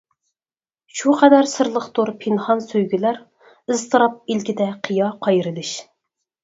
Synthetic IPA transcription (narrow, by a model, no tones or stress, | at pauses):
ʃuqʰɛd̪æɾsɨɾlˠəχt̪oɾpʰɪnχɑnsøjɡʲylæɾ | ɨzt̪ʰɨɾɑp̚ilkʲid̪ɛqʰijɑqʰɑjɾɨlˠɨʃ